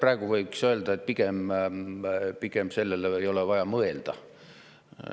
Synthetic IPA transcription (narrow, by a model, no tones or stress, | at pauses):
prɑeɡ̥uvɤjksøːld̪ɑet̪̚piɡem | pikemse̞lːelejo̞levɑjɑmɤe̞ld̪̥ɑ̰